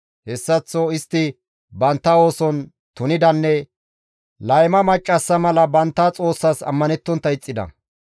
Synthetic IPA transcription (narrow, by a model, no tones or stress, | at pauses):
hɛsːɐt͡sːoɪst̪ːɪ | bɐnt̪ːɐo̞ːsɔn | t̪ʊnɪd̪ɐnːɛ | lɐjmɐmɐt͡ʃʼːɐsːɐmɐlɐbɐnt̪ːɐt͡sʼo̞ːsːɐsɐ̰mːɐnɛt̪ːɔnt̪ːɐɪt͡sʼːɪd̪ɐ̰